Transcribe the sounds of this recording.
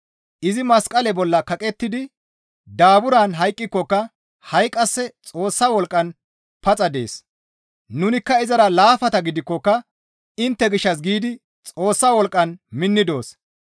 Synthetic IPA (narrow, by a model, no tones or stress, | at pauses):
ʔɪzɪmɐskʼɐlɛbɔlːɐkɐkʼɛt̪ːɪd̪ɪ | d̪aːbʊɾaːnɦɐjkʼːɪkːɔkːɐ | hɐjkʼːɐsːɛt͡sʼo̞ːsːɐwɔlkʼːɐn | pɐt͡sʼɐd̪e̞̰ːs | nʊnɪkːɐɪzɐɾɐlaːfɐt̪ɐɡɪd̪ɪkːɔkːɐ | ɪnt̪ːɛɡɪʃːɐsɡiːd̪ɪ | t͡sʼo̞ːsːɐwɔlkʼɐnmɪnːɪd̪o̞ːs